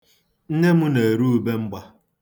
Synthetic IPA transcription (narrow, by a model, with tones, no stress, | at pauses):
n̩˦ne˦mʊ˦ne˨e˨ɾu˦u˨˦be˦m̩˦ɡ͡ba˦